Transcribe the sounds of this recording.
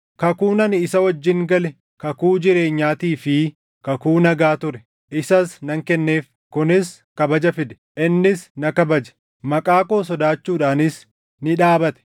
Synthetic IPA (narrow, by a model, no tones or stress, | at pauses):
kɐkuːnɐnɪɪsɐwɐd͡ʒːɪŋɡɐlɛ | kɐkuːd͡ʒɪɾe̞ːɲːaːt̪iːfɪ | kɐkuːnɐɡaːt̪ʊɾɛ | ʔɪsɐsnɐŋkɛnːe̞ːf | kʊnɪs | kɐbɐd͡ʒɐfɪd̪ɛ̥ | ʔɪnːɪsnɐkɐbɐd͡ʒɐ̥ | mɐkʼaːkoːs̬ɔd̪aːt͡ʃːuːᶑaːnɪs | nɪᶑaːbɐt̪ɛ̥